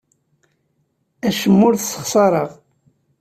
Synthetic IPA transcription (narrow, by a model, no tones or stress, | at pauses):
æʃəmːʊɾθsːə̥χsˤɑɾˤəʁ